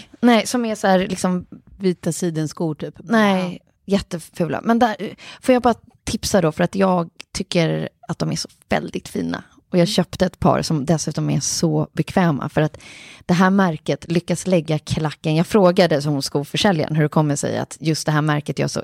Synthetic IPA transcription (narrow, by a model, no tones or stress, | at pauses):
nɛːsɔmɛsæːɾlɪksɔmviːt̪asiːd̪ənskuːʈʰyːpnɛ | jɛt̪ːəfʉ̟ːla̰mɛnd̪æfoːjaɡ̚bɑːɾa | t̪ʰɪpsad̪ɔfœɾat̪jɑːɡ̚t̪ʰʏkːəɾat̪̚d̪ɔmæʂɔ̥vɛ̰ld̪ɪt̪fḭːna̰ | ɔjɑːɡɕœːpt̪əɛt̪pʰɑ̰ːɾsɔmd̪ɛsʉ̟ːt̪ɔmɛ̰sɔbɛkʰvɛːma̰fœɾat̪d̪̥ɛɦæːɾmæɾkət̪lʏkːaslɛɡːakʰlakːənjɑːɡfɾoːɡad̪əsɔmʊnskufœʂɛlja̰nɦɵɖɛkʰɔmːəʂɛ̰ja̰t̪jɵst̪d̪ɛɦæːɾmæɾkət̪jɑ̰ʂɔ̰